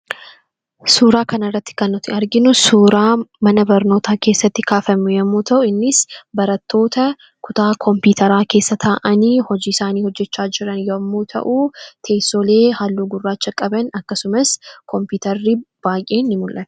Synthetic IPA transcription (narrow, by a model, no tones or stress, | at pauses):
suːɾaːkɐnɐrːɐt̪ːɪ̥kɐnːɔt̪ɪɐɾɡɪnʊsuːɾaːmɐnɐbɐɾno̞ːt̪aːke̞ːsːɐt̪ːɪkaːfɐmːʊjɐmːuːt̪ʰɐʔʊɪnːɪsbɐɾɐt̪ːo̞ːt̪ɐ | kʊt̪aːkʰɔmpiːt̪ʰɐɾaːke̞ːsːɐt̪ʰaːʔɐniːhɔd͡ʒiːɪsaːniːhɔd͡ʒːɛt͡ʃːaːd͡ʒɪɾɐnjɐmːuːt̪ʰɐ̰ʔuːt̪ʰe̞ːsoːle̞ːhalːuːɡʊrːaːt͡ʃːɐkʼɐbɐnɐkːɐsʊmɐskʰɔmpuːt̪ɐrːib̥aːjʔeːnːɪmʊlʔɐn̥